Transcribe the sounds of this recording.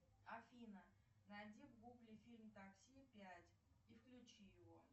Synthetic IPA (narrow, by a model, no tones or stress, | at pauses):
ɐfʲinə | nadʲivɡuɡlʲɪfʲilʲmt̪aksʲipʲætʲ | ifklʲʉt͡ɕijɪvo